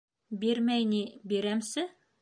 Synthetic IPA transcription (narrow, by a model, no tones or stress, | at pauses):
beɾmæjnibeɾæmsɘ